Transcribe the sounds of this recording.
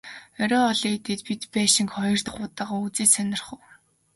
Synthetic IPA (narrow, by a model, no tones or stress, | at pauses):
ɔɾʲɔːɔɮiːt̪ʰeːt̪pit̪pæːʃɪ̆ŋkχɔjɞ̆r̥t̪̆χʊːt̪aːʁaːut͡siːsœnʲɪ̆rχŭːw